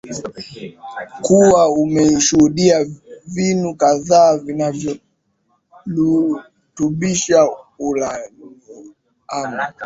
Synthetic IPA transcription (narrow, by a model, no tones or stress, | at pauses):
kuwaumɛʃuhuɗiavinukaðaːvinavjɔ | lu | tuɓiʃaula | ama